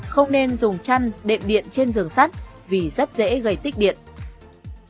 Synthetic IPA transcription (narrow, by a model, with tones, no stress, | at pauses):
xə˧wŋ͡mne˧nzʊ˨˩ŋ͡mt͡ɕa˧nɗḛ˧˨mɗḭ˧˨ənt͡ɕe˧nzɨ˨˩əŋsa˦˥t̚ | vi˨˩zə˦˥t̚zḛ˧˥ɣə˨˩jt̪ï˦˥k̚ɗḭ˧˨ən